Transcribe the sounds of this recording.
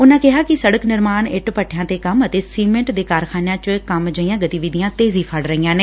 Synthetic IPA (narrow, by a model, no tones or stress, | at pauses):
ʊnãːkɪɦaːkɪsəɽəknɪɾmaːnɪʈpəʈʰjãːt̪eːkəmət̪eːsiːmɛ̃ːɳʈd̪eːkaːɾkʰaːnjãːt͡ʃkəmd͡ʒəijãːɡət̪iːʋid̪ɪjãːt̪eːziːpʰəɽɾəiːãːneː